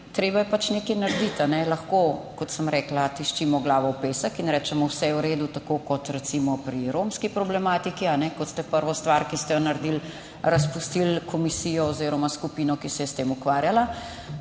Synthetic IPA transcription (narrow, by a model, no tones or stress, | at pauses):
t̪ɾeːbajɛpat͡ʃnekɛjnaɾd̪it̪anɛlɐxkokɔt̪səmɾɛːklat̪iʃt͡ʃimɔɡlaːʋɔwpeːsəkinɾɛːt͡ʃɛmɔwsɛjɛwɾeːd̪ut̪akokɔt̪ɾɛt̪simɔpɾiɾomskipɾɔblɛmaːt̪ikianɛkɔt̪st̪ɛpəɾʋɔst̪ʋaɾkist̪ɛjɔnɐɾd̪il | ɾɐspust̪ilkɔmisijɔoziːɾɔmaskupinɔkisɛjɛst̪eːmukʋaɾjala